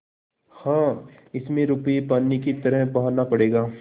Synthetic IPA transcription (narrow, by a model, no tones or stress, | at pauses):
hãː | ɪsmẽɾʊpəjepaːnːikit̪ɐɾəɦpɐɦanapɐɽeːɡaː